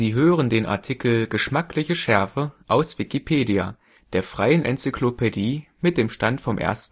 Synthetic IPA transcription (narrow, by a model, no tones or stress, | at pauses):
ziːɦøːʁəndeːnʔa̰ɐtʰikl̩ɡəʃmaklɪçəʃɛɐfəʔaʊsv̥ikipʰeːdia | d̥eːɐfʁ̥aɪənʔɛ̰nt͡sikʰl̥opʰediːmɪt̚d̥eːmʃtantfɔmʔḛːɐstn̩